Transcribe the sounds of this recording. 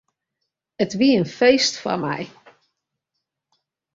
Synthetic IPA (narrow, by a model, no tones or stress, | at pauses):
ətʋiəənfejstfɔ̰rmɛ̰j